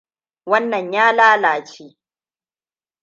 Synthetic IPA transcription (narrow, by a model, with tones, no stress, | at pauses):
wɐ˦nːɐ˨ɲjaː˦laː˦laː˨t͡ʃi˦